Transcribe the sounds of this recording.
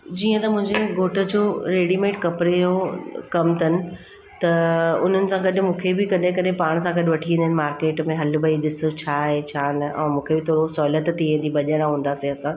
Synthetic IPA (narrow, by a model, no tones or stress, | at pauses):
d͡ʑiːə̃t̪ɐmʊ̃ɦɪ̃ɲd͡ʑeɡoːʈʰə̆d͡ʑoːɾeːɽimẽːʈkɐpɾeokɐmt̪ʰɐnɪ̆ | t̪ɐʊn̤ənɪ̆sãɡɐɗʊ̆mũːkʰebɪkɐnɗẽkɐɗɦẽpaːɽ̃s̬ãɡɐɗʋɐʈʰiʋĩːnd̪ənɪ̆maːɾkeːʈmẽɦɐlbəiɗ̪ɪsot͡ɕʰaːɦet͡ɕʰaːnɐʔɛ̰̃ːmũːkʰebɪt̪ʰoːɾosɔːlət̪t̪iẽːnd̪ibɐʄəɽ̃aɦũːn̆d̪aːsiɐsã